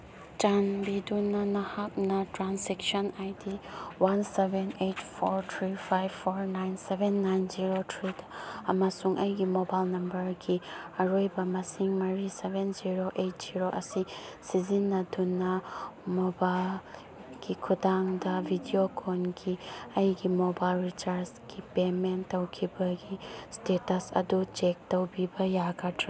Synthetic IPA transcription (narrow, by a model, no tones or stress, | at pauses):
d͡ʒanbidunːɐnɐhak̚nɐtɾanseksɔnajdiwansebenejtpʰoɾt̪ʰɾipʰajbːoɾnajnsebenːajnziɾotʰɾidɐmasuŋʔɐjɡimobajlnɐmbɐɾɡiɐɾojbɐmɐsiŋmɐɾisebenziɾoʔejt̚z̥iɾoʔɐsisizinːɐdunːɐmobal | ɡ̥ikʰudaŋdɐbʱidiokʰonɡiɐjɡimobajlɾit͡ʃaɾsɡ̥ipementːowkʰibɐɡistetɐsɐ̰dut͡ʃek̚towbibɐjaɡɐtʰɾi